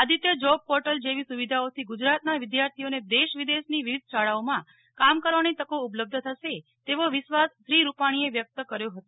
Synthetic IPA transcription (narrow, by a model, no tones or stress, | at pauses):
ad̪it̪jəd͡ʒɔb̚pɔɾʈəld͡ʒeʋisuʋid̪ʱaot̪ʰiɡud͡ʒɾat̪naʋɪd̪jaɾt̪ʰijoned̪eʃʋid̪eʃniʋiʋid̪̚ʱʃaɭaomã | kamkəɾʋañet̪əkoupləb̚d̪ʱət̪ʰəʃet̪eʋoʋɪʃʋasːɾiɾupaɽ̃ieʋjək̚t̪əkəɾjoɦət̪o